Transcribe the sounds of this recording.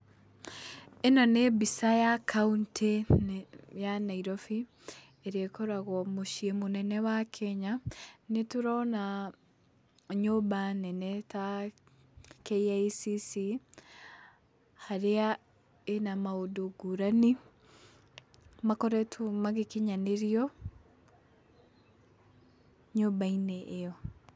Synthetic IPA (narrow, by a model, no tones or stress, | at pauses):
enɔnebisajakʰaunte | janaiɾɔfi | eɾekɔɾaɣɔmoʃiemonɛnɛwakʰɛɲanetuɾɔna | ɲobanɛnɛta | kɛiaisisi | haɾea | enamaodoɡuɾani | makɔɾɛtʰumaɣekeɲaneɾiɔ | ɲobainɛʔːjɔ